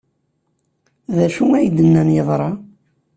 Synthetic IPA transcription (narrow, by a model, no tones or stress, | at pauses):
ðæʃuŋæjd̪ənːænjəðˤɾˤɑ